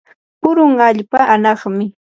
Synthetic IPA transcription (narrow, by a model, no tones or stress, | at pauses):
pʊɾʊŋaʎpaʔanɑχmɪ